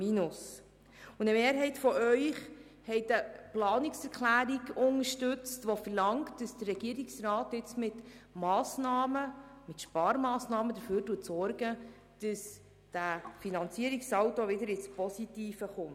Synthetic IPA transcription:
minʊs | ʊəmeːɾɦɛɪtfɔʔœʏχ | hɛɪtəplɑːnɪksɛkʰlæːɾiɡʊŋəʃtʉt͡stʋofərlɑŋkt̚d̥əsd̥ərːɛɡ̥iəɾiksrɾɑːtːɪt͡smɪtmɑːsnɑːməmɪtʃpɑːɾmɑːsnɑːmədəføːɾduːətsɔrɡə | d̥əs | d̥æfinɑnt͡siəɾiksɑwtoʋɪdəɾɪspɔsitiːfəχʊmt

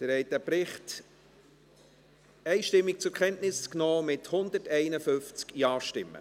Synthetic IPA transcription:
d̥əɾɛɪt̚ːæpɾɪχt | ɛɪʃtɪmːik̚t͡sʊɾkʰχɛntnɪsknɔːmɪthʊnd̪ətɛɪnəfʏft͡skjɑːʃtɪmːə̰

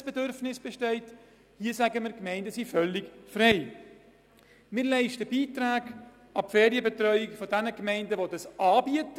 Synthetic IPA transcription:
sb̥ɛdøɾfnɪsb̥ɛʃtɛɪt | hiəsæɡəmɪɾkmɛɪndəsifœlːɪkfɾɛɪ | mɪːɾlɛɪʃtəbiːtɾaːɡ | ɑpfeːɾiəbɛtɾœʏɪkfɔdænəkmɛɪndəʋodɑsʔɑːbiət

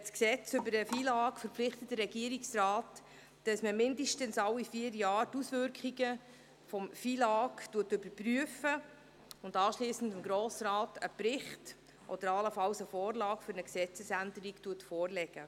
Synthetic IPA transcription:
sksɛt͡sʏbəɾəfiːlɑːkfəɾpflɪχtətdəɾːɛɡiəɾiksrɑːt | d̥ɑsməmɪndəʃtənsɑwifiːəɾjɑːɾtusvʏɾkχiɡə | fɔmfiːlɑːktuətʏbəɾpryəfə | ʊndɑːʃliːsən̩dɪmɡɾɔːsɾɑːtəpɾɪχt | ʔɔ̰d̥əɾɑləfɑwsəfɔːrlɑːkfʏɾnəksɛt͡səsændəɾiktuətfɔːrlɛɡ̥ə

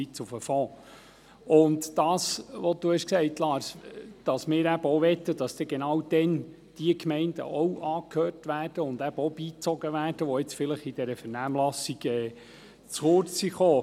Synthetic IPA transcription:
it͡sufəfɔː | ʊndd̥ɑːsʋɔd̥uhɛʃksɛɪtlɑːɾsd̥ɑsmɪːɾæbəɔʋɛt̪ːəd̥ɑsd̥̪ɛɡ̥enɑwd̥ɛn | d̥iəkmɛɪndə̰ʔɔwʔɑːkʰhøːrtʋæːrd̥əʊnd̪æb̥əɔb̥iːt͡sɔɡəʋæːrd̥əʋɔɪt͡sfɪləχid̥ɛɾəfɛɾnæːmlɑsiɡ̥ɛː | t͡sχʊɾt͡ssiχoː

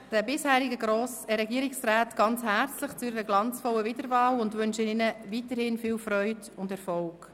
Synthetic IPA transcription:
d̥æbɪshæːɾɪɡəɡɾoːsəɾɛɡiːɾɪksɾæːtɡ̥ɑnt͡shæɾt͡slɪχt͡sʊɪəɾəɡlɑnt͡sfɔlːəvɪd̥əɾvɑːlʊndʋʉnʃɪnɪnəvitəɾhɪnfiːlfɾœʏd | ʊndɛɾfɔlk

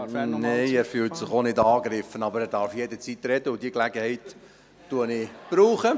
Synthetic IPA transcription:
neɪæːɾfyːlt̪sɪχonɪdɑːɡɾɪfənɑbəɾɛːɾdɑɾfjɛd̪ət͡sit̪ɾɛd̪əʊd̥̪iklæɡəhɛɪt̪ː | uənɪb̥ɾuːχə

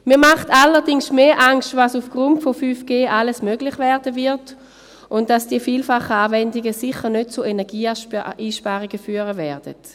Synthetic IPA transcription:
miːɐmaχtalːədɪŋsmeːʔaŋstvasufɡ̥ʁuntfofyːfɡ̥eːʔaləsmøɡlɪχvɛʁdəvɪɐt | ʔʊnt̚d̥asd̥iəfiːlfaχəaːvɛndiɡəsiχəʁnød̥̚t͡suenɛɐɡiːiːʃpaːʁiɡəfyːəʁəvɛɐd̥ə̰t

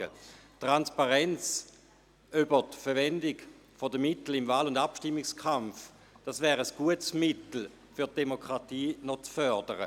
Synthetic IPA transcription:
ə̰tʁanspaʁɛnt͡s | ybətfɛvɛndɪɡ | fodəmɪtl̩ɪmvaːlʊndapʃtɪmːɪkskχamf | d̥asvɛːʁəsɡ̥uətsmɪtl̩ | fyɐt̚d̥emokʁ̥atiːnɔt͡sfœɐdəʁə̰

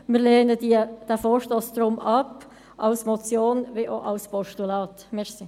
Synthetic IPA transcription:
mɪːɾleːnədiəd̥ɛfoːɾʃtoːsd̥̪ɾʊmɑp | ʔɑʊsmɔt͡sjoːnʋɪʔoʔɑlspɔʃtulɑːt̪mɛsi

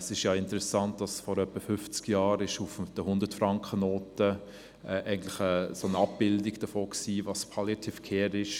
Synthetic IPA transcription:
sɪʃjɑːɪntəɾɛsɑnt̚d̥ɑsfɔɾœpːəfʏft͡skjɑːɾɪʃufd̥əhʊndətfɾɑŋkχənoːtə | ɛʔæɪɡn̩tlɪχəsonɑp̚b̥ɪldiɡ̥d̥əfoːksiːvɑspʰɑljatʰifkʰɛːɾɪʃ

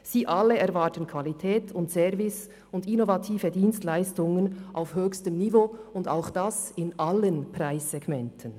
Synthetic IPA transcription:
z̥iːʔalːəɛɾvaːtənkʰv̥alitʰɛːtʰʊntsɛvɪs | ʊndɪnovatʰiːvədiːnstlaɪstʊŋənʔaʊfhøːçstəmnivoːʊnda̰ʊxd̥asɪnʔalːənpraɪsːɛɡmɛntʰən

